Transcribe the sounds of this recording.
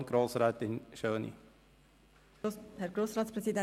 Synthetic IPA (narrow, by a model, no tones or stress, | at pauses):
ɡ̥ɾoːsɾɛːt̪ɪnʃøːnḭ | hɛɾɡɾoːsɾɑːtspɾɛsidɛ